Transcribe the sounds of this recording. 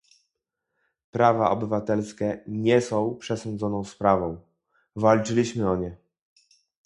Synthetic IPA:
pɾavaʔɔbɘvat̪ɛlskʲɛɲɛsɔ̃w̃pʂɛsɔ̃nd̪zɔnɔ̃w̃spɾavɔ̃w̃ | valt͡ʂɘlʲiɕmɘɔɲɛ

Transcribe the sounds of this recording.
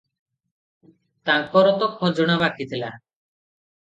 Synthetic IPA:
t̪ãŋkɔɾɔt̪ɔkʰɔd͡ʒɔɽ̃abakit̪ʰila

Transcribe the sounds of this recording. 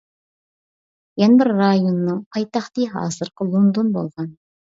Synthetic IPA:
jɛnɪbɪɾːɑjonːɨŋpʰɑjt̪ʰɑχt̪iɦɑ̰ːzɨɾqʰəlˠond̪onbo̰lˠʁɑn

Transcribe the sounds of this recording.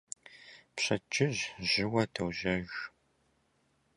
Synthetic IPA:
pɕɐt͡ʃʼʰɪʑʑɪwɐtʰɐwʑɐʒ

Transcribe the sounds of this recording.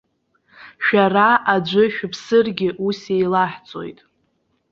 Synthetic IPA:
ʃᶣaraʔad͡ʒʷʊʃᶣʊpʰsɨrɡʲɪʔusejlaħt͡sʼo̞̰jtʼ

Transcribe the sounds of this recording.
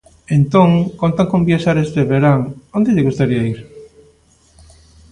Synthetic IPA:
ent̪oŋkont̪aŋkombjaʃaɾezðeβeɾaŋond̪eʎeɣust̪aɾiaiɾ

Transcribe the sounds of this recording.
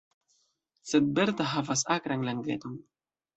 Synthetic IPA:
sed̪̚beɾt̪aɦafasakɾaŋlaŋɡḛt̪oŋ

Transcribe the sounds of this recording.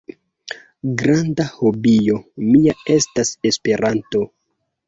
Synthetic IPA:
ɡɾandaho̞bijo̞miae̞stase̞spe̞ɾʔanto̞

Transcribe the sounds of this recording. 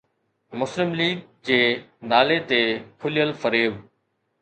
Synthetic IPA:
mʊslɪmliːɡ̚ | d͡ʑeːnaːlet̪eːkʰʊlɪjəlfəɾeːʋ

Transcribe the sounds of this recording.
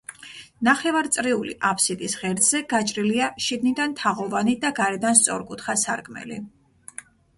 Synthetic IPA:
naχɛvaɾt̪sʼɾiulḭʔapʰsit̪ʼisʁɛɾd̪z̥ɛɡat͡ʃʼɾiliaʃid̪nid̪ant̪ʰaʁɔvanid̪aɡaɾɛd̪anst̪sʼɔɾkʼut̪ʰχasaɾkʼmɛ̰lḭ

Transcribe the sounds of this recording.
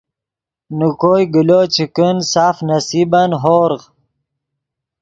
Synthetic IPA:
nukojɡilot͡ɕʰikənsaːfnɐsibanɦoːɾʁ

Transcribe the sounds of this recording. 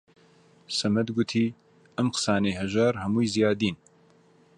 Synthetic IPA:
sɐmɛd̪ɡut̪ʰiː | ɐmqʰɨ̥saːneːɦɛʒaːɾhɐmuːjzijaːd̪iːn

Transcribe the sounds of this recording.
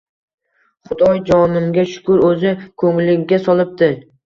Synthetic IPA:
χʊd̪ɒjd͡ʒɒnɪmɡʲaʃʊ̥kʊɾɵzɪkʰɵŋlɪɡʲasɒlˠɪp̚t̪ɪ

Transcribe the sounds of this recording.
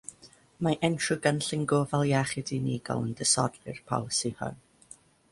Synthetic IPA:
maʔɛntrʊɡanɬɪŋɡoːvalˠjaχɪdiniːɡɔ̰lˠəndəsɔdlɨ̰rpʰa̰wsihɔ̰n

